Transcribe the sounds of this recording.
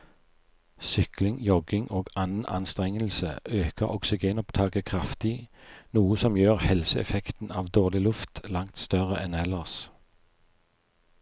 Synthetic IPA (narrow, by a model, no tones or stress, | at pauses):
sʏklɪŋjɔɡɪŋʔoːɡɑnn̩ʔɑ̰nst̪ʁɛŋəlsəʔøːkəʁɔ̰ksɪɡeːnɔpt̪ʰɑːɡəkʰʁɑft̪ɪnuːəsɔmjøːʁhɛlsəɛ̰fɛkt̪n̩ɑːʋd̪oːʁlɪlʉft̪lɑŋt̪st̪œʁəʔɛnɛləʁs